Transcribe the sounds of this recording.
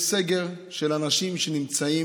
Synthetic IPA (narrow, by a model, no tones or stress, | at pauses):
seɡeʁ | ʃe̞lanaʃimʃenimt͡sai